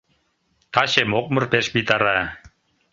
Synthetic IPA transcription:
t̪ɑɕemok̚mɤ̆rpeʃbit̪ɑɾɑ

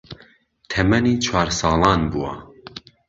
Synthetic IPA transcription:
t̪ʰɛmɛniːt͡ʃʰwɑːɾsɑːlˠɑːnbuwa̰

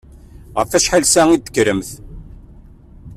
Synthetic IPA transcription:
ʁəfæʃħalsæŋid̪ə̥kːɾəmθ

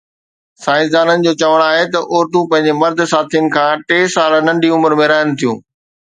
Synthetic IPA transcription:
saːɪ̃ns̬d̪aːnənɪ̆d͡ʑoːt͡ɕɐʋəɽ̃aːɦet̪ɐʔoːɾd̪ũpɐ̃ɦɪ̃ɲd͡ʑemɐɾd̪̆ʱsaːt̪ʰijənɪ̆kʰãːʈeːsaːlnɐ̃ɳɖʱiʊməɾmẽɾɐɦənʊ̆t̪ʰijũː

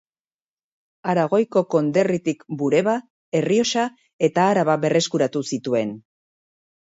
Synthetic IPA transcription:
aɾaɣ̞o̞jko̞ko̞nd̪e̞rit̪ikbuɾe̞βa | e̞rio̞sa | e̞t̪aːɾaβaβe̞re̞skuɾat̪usit̪ue̞n

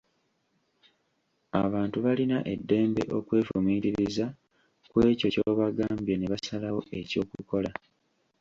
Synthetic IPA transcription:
a̰βaːntuβalinaʔe̞dːe̞ːmbe̞̰ʔo̞kwe̞ːfumiːɾiɾiza | kwe̞ːco̞coːβaɡaːmbje̞ne̞βasalawo̞ʔe̞co̞ːkuko̞la

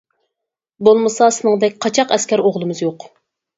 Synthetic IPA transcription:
bolˠmɨsɑsɨɪnɨŋd̪ɛkʲqʰɑt͡ʃʰɑqɛskʲæɾoʁlˠɨmɨzjoq

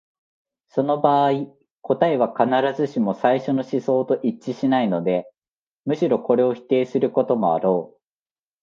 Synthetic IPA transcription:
so̞no̞baːi | ko̞t̪aeβ̞akanaɾazɨɕimo̞saiɕo̞no̞ɕiso̞ːt̪o̞ʔit͡ɕːiɕinaino̞d̪e̞ | mɯ̟ɕiɾo̞ko̞ɾe̞o̞çi̥t̪e̞ːsɨɾɯ̟ko̞t̪o̞mo̞a̰ɾo̞ː

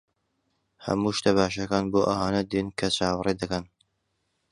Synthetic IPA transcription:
hɐ̰muːʃt̪ɐbaːʃɐkaːnboːʔɐhaːnɐd̪inkʰɐt͡ʃʰaːwrˤid̪ɐkɐn

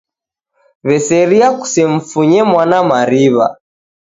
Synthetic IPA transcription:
βɛsɛɾiaku̥sɛɱ̩fuɲɛmwanamaɾiβa̰

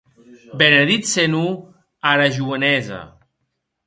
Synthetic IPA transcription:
beneðit̪senu | aɾaʒuənɛza̰

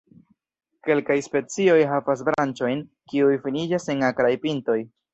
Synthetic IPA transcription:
ke̞lkajspe̞t͡sio̞jɦavas̬bɾant͡ʃo̞jn | kiujfinid͡ʒase̞ŋakɾajpinto̞j

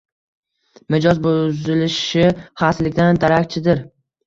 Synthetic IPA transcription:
mɪd͡ʒɒzbozɪlɪʃɪχaslɪkʲd̪and̪aɾakʲt͡ʃʰɪd̪ɪɾ

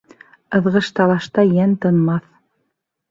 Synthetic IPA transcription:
ɤ̆ðʁɤ̆ʃt̪ɑlˠɑʃt̪ɑjænt̪ɤ̆nmɑθ

